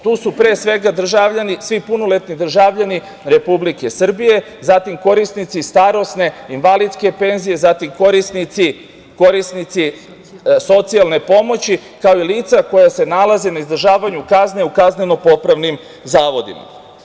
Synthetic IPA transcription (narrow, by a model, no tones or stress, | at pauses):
t̪uːsupɾe̞ːsʋe̞ɡad̪r̩ʒaʋʎanisʋipunole̞t̪nid̪r̩ʒaːʋʎani | ɾe̞publike̞sr̩bije̞ | zat̪imko̞ɾisnit̪sist̪aɾo̞sne̞inʋalid̪ske̞pe̞nzije̞zaːt̪imko̞ɾisnit̪si | ko̞ɾisnit̪si | so̞t̪sialˠne̞po̞mo̞t͡ɕikao̞iliːt̪sako̞jase̞nalˠazenaizd̪r̩ʒaːʋaɲukazne̞ukazne̞no̞po̞pɾaʋnim | zaːʋo̞d̪ḭma̰